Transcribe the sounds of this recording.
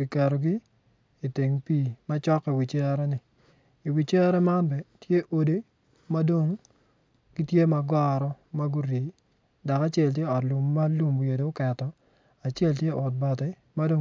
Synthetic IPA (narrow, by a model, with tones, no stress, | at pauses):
ki˨ka˨ɾo˨ɡi˦ | i˨te˨ŋpiː˦˨ma˦t͡ʃɔ˦kːi˨wi˨t͡ʃɛ˦ɾɛ˦nɪ˨ | i˨wi˨t͡ʃɛ˦ɾɛ˦ma˦nbɛ˨tje˦ʔo˨de˦ | ma˦do˦ŋ | ɡ̥i˦tje˦ma˨ɡɔ˦ɾɔ˦ma˦ɡu˦ɾi˨ | da˨ka˦t͡ʃɛ˦˨lt̬je˦ɔ˨tlu˨mːa˦lu˦m˨je˨do˨ʊ˦kɛ˨tɔ˦ | a˨t͡ʃɛ˦˨ltje˦ʔɔ˨t̚bɔ˨tɛ˦ | ma˦do˦